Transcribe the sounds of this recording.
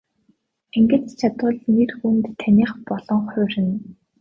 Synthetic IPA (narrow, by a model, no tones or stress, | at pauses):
eŋɡɘ̆ɬt̪t͡ɕʰat̪ʊːɮnirxunt̪ʰːanʲiːχpɔɮɞ̆ŋχʊ̟ːrɘ̆n